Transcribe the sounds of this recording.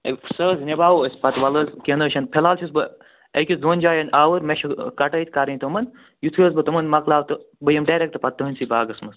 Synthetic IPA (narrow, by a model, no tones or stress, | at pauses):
ɐsɐːznʲebaːwɐsʲpɐt̪ʋɐləzkenɐːʃʰɐnpʰelaːlt͡ʃʰisbɨ | ɐkʲisd̪oːnʲd͡ʒaːjɐnaːʋɐɾmeʃɐkɐʈɐjt̪kaɾɐit̪omɐn | jut̪ʰiɐs̬bɐt̪ɐmɐnmɐklaːwt̪ɨbɐjɐmɖaːɾek̚t̪ɨpɐt̪ːɐɦɐnʲsibaːɡɐsmɐs